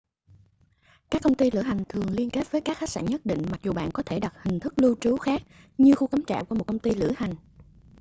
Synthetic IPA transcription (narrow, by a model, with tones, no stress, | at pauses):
kaː˦˥kːə˧wŋ͡mt̪i˧lɨ̰˧˩əɦa˨˩jŋ̟t̪ʰɨ˨˩əŋli˧ənke˦˥t̚vəː˨˦jkaː˦˥k̚a˦˥ksa̰ː˧˩nɲə˦˥t̚ɗḭ̈˧˨ŋ̟ma˨˩k̚zu˨˩ɓa̰ː˧˨nkɔ˨˦t̪ʰe˧˩ɗa˨˩t̚hï˨˩ŋ̟t̪ʰɨ˦˥k̚lu˧t͡ɕu˨˦xaː˦˥k̚ | ɲɨ˧xu˧ka˨˦mt͡ɕa̰ː˧˨wku˧˩m˨˩t̚kə˧ŋ͡mt̪i˧lɨ̰˧˩əha˨˩jŋ̟